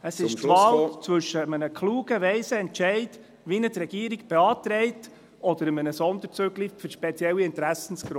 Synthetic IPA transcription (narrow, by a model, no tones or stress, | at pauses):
əsɪʃtvɑːlt͡sʋɵʃːəmənəkʰluːɡ̥əʋɛɪsəɛnt͡ʃɛɪt | ʋinətɾɛɡ̥iːɾiɡb̥ɛɑːtɾɛɪt | ɔd̥əɾəmənəsɔnd̪əɾt͡søɡlifʏɾʃpɛt͡sjɛlːiɪnt̪ɾæsən̩skɾ